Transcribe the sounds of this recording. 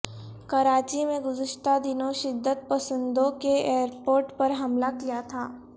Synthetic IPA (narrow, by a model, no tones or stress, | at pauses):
kɐɾaːt͡ʃimẽɡʊzɪʃt̪ad̪ɪnõʃɪd̪ːət̪̚pɐsə̃nd̪õkeeːɾpoːɾʈpɐɾɦɐmlakijat̪ʰaː